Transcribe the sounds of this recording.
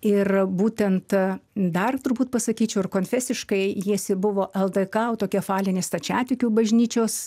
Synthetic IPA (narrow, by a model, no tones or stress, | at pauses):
ɪrbuːt̪ʲɛnt̪d̪ɐrt̪ʊrbuːt̪̚pɐsɐkʲiːt͡ʃʲɛʊɪrkoːnʲfʲæsʲɪʃkɐɪjiɛsʲɪbʊʋoːʔɛlˠd̪ɐkɐʊt̪oːkʲiɛfɑːlʲɪnʲest̪ɐt͡ʃʲæːt̪ʲɪkʲuːbɐʒʲnʲiːt͡ʃʲoːs